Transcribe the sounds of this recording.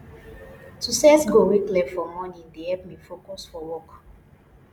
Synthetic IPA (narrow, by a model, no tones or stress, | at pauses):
tusɛsɡowiklɛfɔmɔnĩŋdehɛp̚mifokɔsfɔwɔk